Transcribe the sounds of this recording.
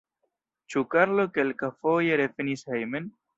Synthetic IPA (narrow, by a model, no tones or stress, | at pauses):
t͡ʃukaɾlokelkafojeɾefenishejmen